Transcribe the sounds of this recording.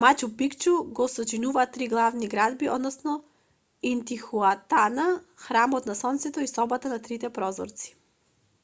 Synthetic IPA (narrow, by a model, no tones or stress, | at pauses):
mat͡ʃupikt͡ʃuɡɔsɔt͡ʃinuvaːt̪ːɾiɡlˠavniɡɾad̪biʔɔ̰d̪nɔsnɔ | int̪ixuat̪ana | xɾamɔt̪nasɔnt̪sɛt̪ɔisɔbat̪anat̪ɾit̪ɛpɾɔzɔ̰ɾt̪si̥